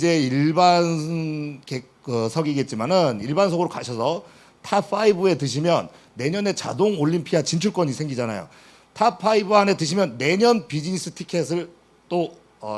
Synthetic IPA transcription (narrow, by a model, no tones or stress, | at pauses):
d͡ʑe̞iɭban | ke | kɯsʰʌɡiɡe̞t̚t͡ɕ͈imanɯniɭbansʰʌɡɯɾokaɕʰʌsʰʌ | tʰapʰaibɯe̞tɯɕ̬ʰimjʌnː | e̞ɲʌne̞t͡ɕa̰doŋoʎːimpʰiat͡ɕint͡ɕʰuɭk͈wʌɲisʰe̞ŋɡid͡ʑana̰jo̰ | tʰapʰaibɯɦane̞tɯɕ̬ʰimjʌnːe̞ɲʌnpid͡ʑinis͈ʰɯ̥tʰi̥kʰes̬ʰɯɭ | t͈o | ʌ